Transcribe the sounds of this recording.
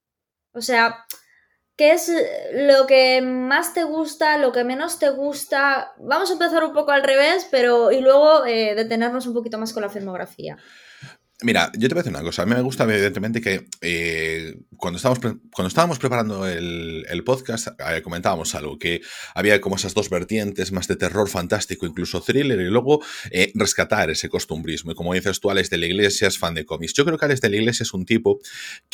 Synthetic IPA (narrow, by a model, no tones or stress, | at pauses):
o̞se̞a | keezlo̞ke̞mast̪e̞ɣ̞ust̪alo̞ke̞mẽno̞st̪e̞ɣ̞ust̪abamos̬aempe̞θaɾumpo̞koalre̞β̞e̞spe̞ɾo̞ilwe̞ɣ̞o̞eðe̞t̪e̞ne̞ɾno̞s̬umpokit̪o̞masko̞nlafilmo̞ɣɾa̰fḭa̰ | miɾa̰ɟ͡ʝot̪epaɾθeuna̰ko̞saːmĩme̞ɣust̪aiiðent̪ement̪ekee | kwand̪ost̪βamospɾekwand̪oest̪aβamospɾepaɾand̪oelḛlpoðkast̪eko̞mẽnt̪aβamo̞sa̰lɣokeaβiako̞moe̞sazðo̞zβe̞ɾt̪je̞nt̪e̞zmazðet̪e̞ro̞ɾfant̪ast̪ikoiŋkluso̞θɾile̞ɾilwe̞ɣ̞oere̞skat̪aɾe̞seko̞st̪umbɾizmoiko̞moaβenθjasast̪ualezðelaiɣlesjaesfand̪eko̞miksʝokɾeokeaɾezðelaiɣle̞s̬jaesunt̪ipo